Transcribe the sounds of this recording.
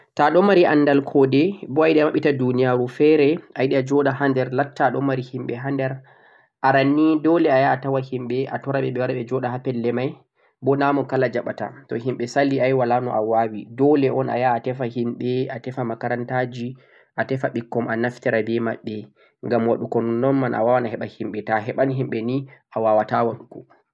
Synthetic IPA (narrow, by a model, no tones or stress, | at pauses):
taɗɔmaɾiʔanːdalkʰɔdɛbɔajɗɛmaɓːitadunijaɾufɛɾɛʔajɗɛad͡ʒɔɗahandɛɾlatːaɗɔmaɾihimɓɛɦandɛɾ | ʔaɾanːidɔlɛajaːtawahimɓɛʔatɔɾaɓɛɓɛwaɾaɓɛd͡ʒɔɗahapɛlːɛmaj | bɔnamɔkalad͡ʒaɓata̰tɔɦimɓɛsalːiajwalanɔ̰ʔawawidɔlɛʔɔna̰jaːtɛfahimɓɛatɛfamakaɾantad͡ʒi | ʔatɛfaɓikːɔmanaftɛɾabɛma̰ɓːɛ | ŋɡamwaɗukɔnnːɔnmanʔa̰wawanahɛɓahimɓɛtaɦɛɓanɦimɓɛniʔawawatawaɗukɔ